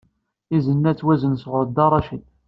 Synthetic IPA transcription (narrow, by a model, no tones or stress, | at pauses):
izənːæt͡sːwæzənsʁʊɾˤd̪ɑrˤɑʃid